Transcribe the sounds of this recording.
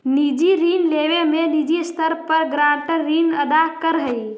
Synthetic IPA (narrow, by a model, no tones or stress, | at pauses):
nid͡ʒiɾinleʋemenid͡ʒist̪ʰəɾpəɾɡɾaʈəɾːinəd̪akəɾɦəj